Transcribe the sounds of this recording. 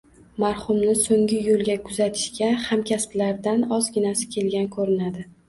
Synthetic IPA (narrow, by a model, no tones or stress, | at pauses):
maɾhʊmnɪsoŋʲɪjolˠɡʲakʰʊzat̪ʰɪ̥ʃɡʲahamkʲʰasplaɾd̪anɒzɡʲɪnasɪ̥kʲʰe̞lɡʲankʰɵɾɪnad̪ɪ